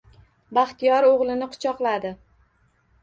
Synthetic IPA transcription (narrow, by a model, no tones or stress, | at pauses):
baχt̪ijɒɾoʁlˠɪnɪqʰʊ̥t͡ʃʰɒqlˠad̪ɪ